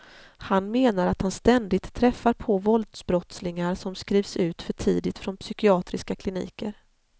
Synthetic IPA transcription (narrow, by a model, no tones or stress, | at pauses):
hanmeːnaɾat̪hanst̪ɛnd̪ɪɡ̚t̪ʰːɾɛfːaɾpʰɔvɔld̪sbɾɔt̪slɪŋaɾʂɔmskɾiːvsʉ̟ːt̪fœʈʰiːd̪ɪt̪fɾɔnpsʏkɪɑːt̪ɾɪskakʰlɪnḭːkəɾ